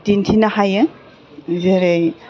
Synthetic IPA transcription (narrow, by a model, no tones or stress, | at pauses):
tintʰinahaje | zeɾej